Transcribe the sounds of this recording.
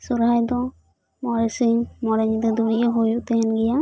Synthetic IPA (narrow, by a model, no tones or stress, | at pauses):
suɾɦajd̪ɔ | mɔɾɛsiɲmɔɾɛɲid̪ɔd̪uɾiʔaɦojuʔt̪ɛɦɛnɡɛja